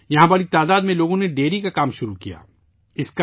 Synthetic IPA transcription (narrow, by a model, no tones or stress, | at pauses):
jɐɦãbaːɭit̪aːd̪aːd̪mẽloːɡõneɖeːɾikakaːmʃʊɾukija̰ː | ɪska